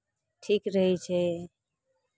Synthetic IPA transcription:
ʈʰikɾəɦit͡ʃʰe

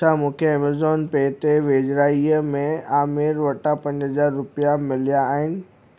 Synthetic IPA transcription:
amũːkʰeɛːmazɔːnpeːt̪eʋeːd͡ʑɾaːiəmẽaːmɪɾʋɐʈapɐ̃ɲd͡ʑɦɐzaːɾːʊpijamɪlijaːɦɪnɪ̆

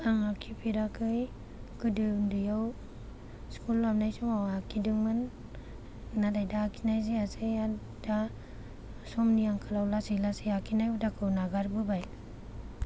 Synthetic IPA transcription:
aŋakʰipʰiɾakʰɯj | kɯdɯndɯjaw | skulːamnajsɔmawakʰidɯŋmɯn | nadajdaːkʰinajziasɯja | d̥a | sɔmniaŋkʰalawlasɯjlasɯjakʰinajudakʰɯwnaɡaɾbɯbaj

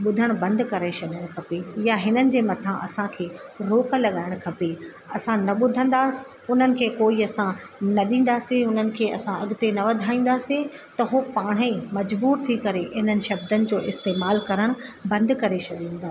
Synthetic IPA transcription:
ɓʊd̪ʱəɽ̃bɐ̃nd̪kɐɾet͡ɕɐɗəɽ̃kʰɐpejaɦɪnənɪ̆d͡ʑeːmɐt̪ʰãʔɐsãkʰeːɾoːkəlɐɠaːɪɽ̃kʰɐpe | ɐsãnɐɓʊd̪ʱə̃nd̪aːsɪ̥ | ʊn̤ənɪ̆kʰeːkoːiɐsãnɐɗĩːn̆d̪aːseʊn̤ənɪ̆kʰeːɐ̰sãɐɠɪt̪enɐʋɐd̪ʱaːĩːn̆d̪aːset̪ɐɦopaːɽ̤̃əimɐd͡ʑbuːɾt̪ʰikɐɾeɦɪnənɪ̆ʃɐb̚d̪ənɪ̆d͡ʑoːʔɪst̪eːmaːlkɐɾəɽ̃bɐ̃nd̪kɐɾet͡ʃʰɐɗĩn̆d̪aː

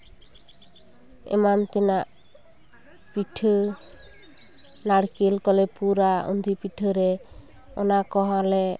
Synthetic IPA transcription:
ɛ̰mant̪ɛnaʔ | piʈʰɯ | naɽkelkɔlɛpuɾaṵnd̪ʱipiʈʰɯɾɛ | ɔnakɔɦãlɛ

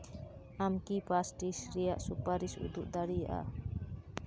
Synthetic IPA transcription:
amkipasʈisɾijaʔsupaɾisṵd̪uʔd̪aɽijaʔa̰

